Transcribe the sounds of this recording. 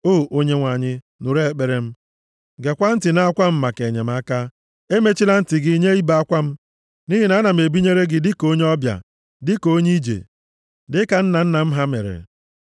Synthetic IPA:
o˦˨o˦ɲe˦ŋʷa˨ɲɪ˦ | nu˨ɾe˦˨k͡pe˨ɾe˦m̩˦ | ɡe˨kʷa˦n̩˦tɪ˨na˦a˦kʷa˦m̩˦ma˨ke˨ɲe˨m̩˦a˦ka˦ | e˦me˦t͡ʃi˦la˦n̩˦tɪ˨ɡɪ˦ɲe˦i˦ba˨a˦kʷa˦m̩˦ | ni˦ɦi˨na˨˦na˨m̩˨e˨bi˦ɲe˦ɾe˦ɡɪ˨dɪ˦ko˦ɲe˦ɔ˦bja̰˨ | dɪ˦ko˦ɲi˦d͡ʒḛ˨ | dɪ˦ka˨n̩˦na˨n̩˦na˨m̩˦ɦa˦mḛ˨ɾḛ˨

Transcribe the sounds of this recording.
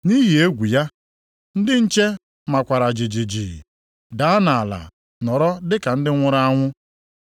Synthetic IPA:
ni˦ɦi˨e˦ɡʷu˨ja˦ | n̩˦dɪ˦n̩˦t͡ʃe˦ | ma˨kʷa˨ɾa˨d͡ʒi˨d͡ʒi˨d͡ʒi˨ | da˨˦a˦na˨a˨la̰˨ | nɔ˨ɾɔ˦dɪ˦ka˨n̩˦dɪ˦ŋʷʊ˦ɾa˦a˦ŋʷʊ˦

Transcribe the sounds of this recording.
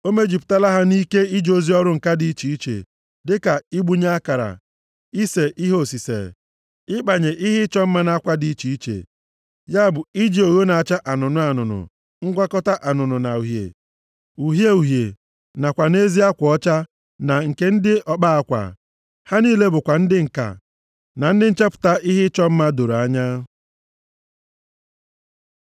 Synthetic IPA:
o˦me˦d͡ʒi˨pta˦˨la˦ɦa˦ni˦ke˦i˦d͡ʒo˦zi˦ɔ˦ɾʊ˦ŋ̩˨ka˦dɪ˨i˦t͡ʃi˨i˦t͡ʃḛ˨ | dɪ˦ka˨i˦ɡ͡bu˦ɲa˦a˦ka˨ɾa̰˨ | i˦se˨ʔi˦ɦo˦˨si˨sḛ˨ | ɪ˦k͡pa˨ɲe˨ʔi˦ɦɪ˦t͡ʃɔ˦m̩˦ma˦na˦kʷa˦di˦i˦t͡ʃi˨i˦t͡ʃḛ˨ | ja˦bʊ˨i˦d͡ʒi˦˨o˨ɣo˦na˨a˨t͡ʃa˦ʔa˨nʊ˨nʊ˦a˨nʊ̰˨nʊ̰˨ | ŋ̩˦ɡʷa˦kɔ˦ta˦ʔa˨nʊ˨nʊ˨na˨u˨ɦjḛ˨ | u˨ɦje˦u˨ɦje˨ | na˨kʷa˨ne˦zi˦a˦kʷɔ˦t͡ʃa˦ | na˨ŋ̩˨ke˦n̩˦dɪ˦ʔɔ˦k͡pa˦a˦kʷa̰˨ | ha˦niː˦le˦bʊ˨kʷa˨n̩˦dɪ˦ŋ̩˨ka̰˨ | na˨n̩˦dɪ˦n̩˦t͡ʃa˦pʊ̥˨ta˦ʔi˦ɦɪ˦t͡ʃɔ˦m̩˦ma˦do˨ɾa˦ɲa˦

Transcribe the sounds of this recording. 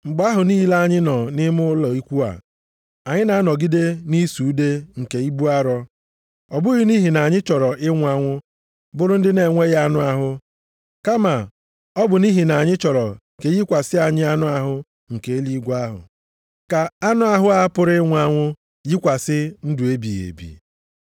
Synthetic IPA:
ŋ͡m̩˨ɡ͡ba˦ɦʊ˨ni˦la˦ɲɪ˦nɔ˨nɪ˦mʊ˦ʊ˦lɔ˨i˦kʷu˦a̰˨ | a˨ɲɪ˦na˨a˦nɔ˨ɡi˦de˦ni˦su˨u˦de˦ŋ̩˨ke˨i˦bu˦a˦ɾɔ˦ | ɔ˨bʊ˦ɣɪ˦ni˦ɦi˨na˨ɲɪ˦t͡ʃɔ˨ɾɔ˨ʔɪ˦ŋʷ˦a˦ŋʷʊ˦ | bʊ˦ɾʊ˦n̩˦dɪ˦ne˨ŋʷe˦ɣa˦nʊ˦a˦ɦʊ˦ | ka˦ma˨ | ɔ˦bʊ˨ni˦ɦi˨na˨ɲɪ˦t͡ʃɔ˨ɾɔ˨ | ke˨ɣi˦kʷa˨sɪ˦a˨ɲɪ˦a˦nʊ˦a˦ɦʊ˦ | ŋ̩˨ke˨e˦li˦ɡʷa˦ɦʊ̰˨ | ka˨a˦nʊ˦a˦ɦʊ˦a˦pʊ˦ɾɪ˦ɪ˦ŋʷ˦a˦ŋʷʊ˦ | ji˦kʷa˨sɪ˦n̩˦dʊ˨e˦bi˨ɣḛ˨bḭ˨

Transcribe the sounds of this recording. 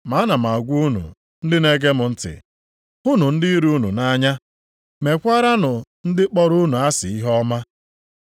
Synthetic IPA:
ma˨˦na˨m̩˨a˨ɡʷu˦nṵ˨ | n̩˦dɪ˦ne˦ɡe˦mʊ˨n̩˦tɪ̰˨ | hʊ˦nʊ˨n̩˦dɪ˦i˦ɾu˦nu˨na˦ɲa˦ | me˨kʷa˦ɾa˦nʊ˨n̩˦dɪ˦k͡pɔ˦ɾu˦nu˨a˦sɪ̰˨i˦ɦɔ˦ma˦

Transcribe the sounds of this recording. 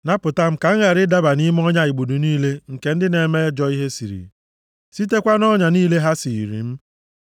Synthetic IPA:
na˦pʊ˨ta˦m̩˦ka˨ŋ̩˦ŋa˨ɾɪ˦da˦ba˨ni˦m˦ɔ˦ɲa˦i˨ɡ͡bu˨du˨niː˦le˦ŋ̩˨ke˨n̩˦dɪ˦ne˨me˦d͡ʒɔ˦i˦ɦe˦sḭ˨ɾḭ˨ | si˦te˦kʷa˦nɔ˦ɲa˨niː˦le˦ɦa˦si˨ɾḭ˨m̩˦

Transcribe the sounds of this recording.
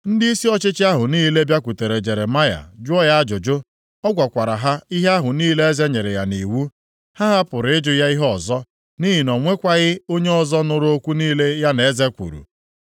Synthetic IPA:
n̩˦dɪ˦i˦si˦ɔ˦t͡ʃɪ˦t͡ʃɪ˦a˦ɦʊ˨niː˦le˦bja˦kʷu˨te˨ɾe˨d͡ʒe˨ɾe˨ma˦ja̰˨d͡ʒʊ˦ɔ˦ja˦a˦d͡ʒʊ˨d͡ʒo˦ | ɔ˦ɡʷa˨kʷa˨ɾa˨ɦa˦i˦ɦe˦a˦ɦʊ˨niː˦le˦e˦ze˦ɲe˨ɾe˨ja̰˨ni˨wu˦ | ha˦ɦa˦pʊ˨ɾɪ˦d͡ʒʊ˦ja˦i˦ɦɔɔ˦˨zɔ˦ | ni˦ɦi˨nɔ˨ŋʷe˦kʷa˦ɣɪ˦o˦ɲe˦ɔ˨zɔ˦nʊ˦ɾʊ˦o˦kʷu˦niː˦le˦ja˦ne˨˦ze˦kʷṵ˨ɾṵ˨

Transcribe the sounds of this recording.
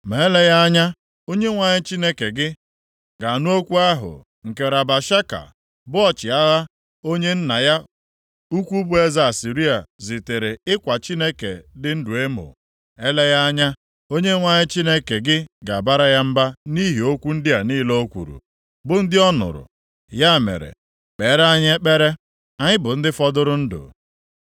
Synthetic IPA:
me˨e˦le˦ja˦a˦ɲa˦ | o˦ɲe˦ŋʷa˨ɲɪ˦t͡ʃi˦ne˦ke˨ɡɪ˦ | ɡa˨nu˦o˦kʷu˦a˦ɦʊ̰˨ | ŋ̩˨ke˨ɾa˨ba˨ʃa˦ka̰˨ | bʊ˦ɔ˦t͡ʃɪ˨a˦ɣa˦ | o˦ɲe˦n̩˦na˨ja˦ | u˦kʷu˦bu˦e˦za˨a˨si˨ɾi˦a˨zi˨te˨ɾe˨ɪ˦kʷa˨t͡ʃi˦ne˦kḛ˨dɪ˦n̩˦du˨e˦mo̰˨ | e˦le˦ɣa˦a˦ɲa˦ | o˦ɲe˦ŋʷa˦ɲɪ˦t͡ʃi˦ne˦ke˨ɡɪ˦ɡa˨ba˦ɾa˦ja˦m̩˦ba˦ni˦ɦi˨o˦kʷu˦n̩˦dɪ˦a˨niː˦lo˦o˦kʷṵ˨ɾṵ˨ | bʊ˨n̩˦dɪ˦ɔ˦nʊ̰˨ɾʊ̰˨ | ja˦˨mḛ˨ɾḛ˨ | k͡pe˨˦ɾa˦ɲ˦e˦k͡pe˦ɾe˦ | a˨ɲɪ˦bʊ˨n̩˦dɪ˦fɔ˦dʊ˦ɾʊ˦n̩˦dʊ̰˨

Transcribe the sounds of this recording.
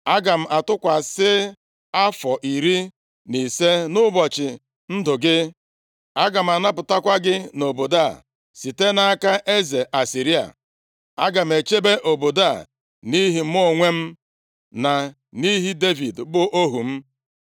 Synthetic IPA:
a˦ɡa˨m̩˨ʔa˨tʊ˦kʷa˨sɪ˦ | a˦fɔ˨ʔi˨ɾi˦ | ni˨se˦nʊ˦bɔ˨t͡ʃɪ˨ | n̩˦dʊ˨ɡɪ˦ | a˦ɡa˨m̩˨a˨na˦pʊ˨ta˦kʷa˦ɡɪ˦no˨bo˨da˦˨ | si˨te˦na˨a˦ka˦ʔe˦ze˨ʔa˨si˨ɾi˦a̰˨ | a̰˦ɡa˨m̩˨e˨t͡ʃe˦be˦ʔo˨bo˨da˦˨ | ni˦ɦi˨˦m˦o˦˨ŋʷe˦m̩˦ | na˨ | ni˦ɦi˦de˦vi˨dbʊ˦ʔo˦ɦu˨m̩˦

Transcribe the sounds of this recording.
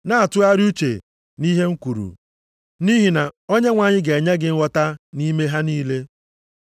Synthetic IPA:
na˦a˨tʊ˦a˦ɾɪ˦u˦t͡ʃḛ˨ | ni˦ɦe˦ŋ̩˦kʷu˨ɾṵ˨ | ni˦ɦi˨na˨o˦ɲe˦ŋʷa˨ɲɪ˦ɡe˨ɲe˦ɡɪ˦ŋ̩˦wɔ˦ta˦ni˦me˦ɦa˦niː˦le˦

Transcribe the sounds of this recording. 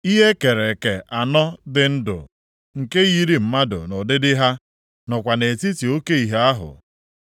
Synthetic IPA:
i˦ɦe˦ke˨ɾe˨ke˨ʔa˨nɔ˦dɪ˨n̩˦dʊ̰˨ | ŋ̩˨ke˦ɣi˦ɾi˨m̩˦ma˦dʊ̰˨nʊ˨dɪ˦dɪ˦ɦa˦ | nɔ˨kʷa˨ne˨ti˦ti˨o˦ke˦i˨ɦe˦a˦ɦʊ̰˨

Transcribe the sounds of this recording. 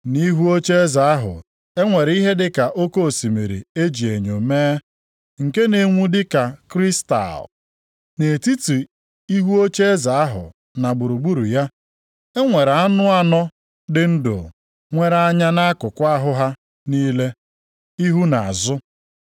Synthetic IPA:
ni˦ɦu˦o˦t͡ʃe˦za˨a˦ɦʊ̰˨ | e˦ŋʷe˨ɾi˦ɦe˦dɪ˦ka˨ʔo˦ko˦o˨si˨mi˨ɾḭ˨e˦d͡ʒi˨e˨ɲo˨meː˦ | ŋ̩˨ke˦ne˨ŋʷu˦dɪ˦ka˨kɾi˦sta̰˨l | ne˨ti˦tu˨ | i˦ɦu˦o˦t͡ʃe˦za˨a˦ɦʊ̰˨ | na˨ɡ͡bʊ˨ɾu˨ɡ͡bu˦ɾu˨ja˦ | e˦ŋʷe˨ɾa˦nʊ˦a˦nɔ˦ | dɪ˦n̩˦do̰˨ | ŋʷe˨ɾa˨˦ɲa˦na˦a˦kʊ˨kʷa˦ɦʊ˦ɦa˦ | niː˦le˦ | i˦ɦu˦na˨a˨zʊ˦

